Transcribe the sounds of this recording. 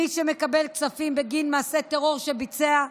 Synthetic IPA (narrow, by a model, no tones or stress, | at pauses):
iʃeme̞kabe̞lksafimbeɡinmaːse̞t̪eʁo̞ʁʃebit͡sea